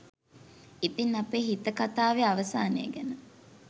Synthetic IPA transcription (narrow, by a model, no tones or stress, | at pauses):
ip̪inɐpeːɦit̪əkat̪aːʋeaʋɐsaːnḛːɡænə